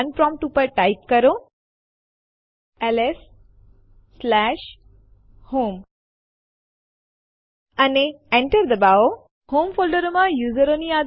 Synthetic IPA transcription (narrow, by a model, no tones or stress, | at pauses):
ənpɾɔ̃mp̚ʈupəɾʈajp̚kəɾo | ɛlesː | læʃ | hoːm | aneẽɳʈəɾd̪əbao | hoːmfolɖəɾomãjuːzəɾonia